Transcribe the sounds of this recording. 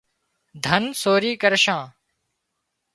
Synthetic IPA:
d̪ʱənsoːɾiːkəɾʃãː

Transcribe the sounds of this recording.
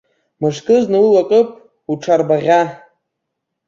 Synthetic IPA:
mɨʂkʼɨznaulakʼɨpʼ | uʈ͡ʂʰarbaʁʲa

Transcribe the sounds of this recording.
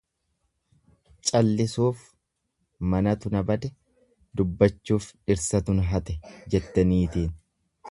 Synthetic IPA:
t͡ʃʼɐlːɪsuːf | mɐnɐt̪ʊnɐbɐd̪ɛ | d̪ʊbːɐt͡ʃːuːfɪɾsɐt̪ʊnɦɐt̪ɛd͡ʒɛt̪ːɐniːt̪iːn

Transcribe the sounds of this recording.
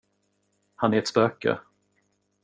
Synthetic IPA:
hanæɾɛt̪spøːkə̰

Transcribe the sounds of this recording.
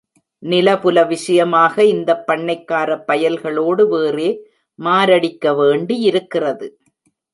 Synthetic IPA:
nɪlɐpɯlɐʋɪʂɐjɐmaːɣɐɪnd̪ɐpːɐɳːɐɪkːaːɾɐpːɐjɐlɣɐɭoːɽɯʋeːreː | maːɾɐɽɪkːɐʋeːɳɖiɪɾɯkːɪrɐðɯ

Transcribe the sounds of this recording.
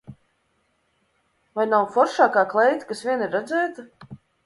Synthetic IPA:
vajnawfɔɾʃaːkaːklˠɛjt̪kasvʲiɛniɾːad̪zɛːt̪a

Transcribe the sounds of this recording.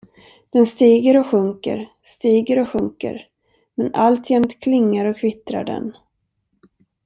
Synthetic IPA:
d̪̥ɛnst̪iːɡəɾɔɧɵŋkə̰ɾ | st̪iːɡəɾɔɧɵŋkə̰ɾ | mɛnalt̪ʰjɛmt̪kʰlɪŋːaɾɔkʰvɪt̪ɾa̰ɖɛ̰n

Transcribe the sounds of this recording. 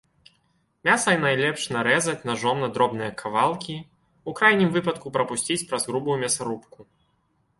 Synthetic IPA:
mʲasɐjnajlʲɛpʂnaɾɛzɐt͡sʲnaʐɔmnɐd̪ɾɔbnɨjɐkʰavalˠkʲi | ukɾajnʲimvɨpɐt̪kupɾɐpusʲt͡sʲit͡sʲpɾɐzɣɾubujumʲɐsaɾupku

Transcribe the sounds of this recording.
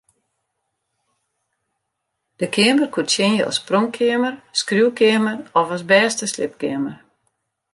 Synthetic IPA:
d̥əkʰɪəmərkʰutt͡ʃɪnjəɔ̰sproŋkʰɪəmərskrjuwkɪəmərɔfɔsbɛːstəslɪ̰p̚kɪəmər

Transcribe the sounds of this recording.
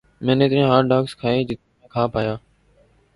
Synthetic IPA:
mẽːneːt̪ɾiãːɦaːɾɖaːkskʰaːeːd͡ʒɪt̪̚ː | ẽːkʰaːpaːjaː

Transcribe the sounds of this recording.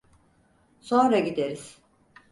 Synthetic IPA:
so̞nɾaɟid̪eɾiz̥

